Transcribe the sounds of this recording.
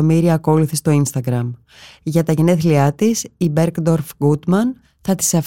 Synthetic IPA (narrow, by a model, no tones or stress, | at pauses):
omiɾiɐːko̞liθist̪o̞inst̪ɐɡɾɐm | ʝɐt̪ɐʝe̞ne̞θliɐt̪isibe̞ɾkd̪o̞ɾfɡut̪mɐn | θɐt̪i̥sɐf